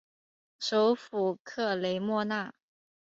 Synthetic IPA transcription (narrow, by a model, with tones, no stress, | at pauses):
ʂo˧˥ʊfu˨˩kʰɤ˥˩le˧˥ɪmwɔ˥˧na˥˩